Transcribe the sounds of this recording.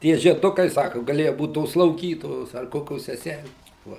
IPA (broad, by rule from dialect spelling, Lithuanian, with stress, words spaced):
ˈtʲiɛ ʒʲiɛˈdʊkɐɪ ˈsɑːkʊ ɡɐˈlʲeːjʊ ˈbuːt toːs slˠɐʊˈɡʲiːtoːjoːs ɐr ˈkoːkʲoːs sʲɛˈsʲælʲeːs ʋɐ